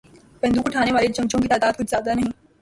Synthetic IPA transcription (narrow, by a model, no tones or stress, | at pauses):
pɛ̃ɦnd̪uʈʰaːɽ̃eʋaːɾet͡ɕɐ̃mt͡ɕõkiːt̪aːd̪aːd̪̚kʊd͡ʑʱzjaːd̪anɐɦĩː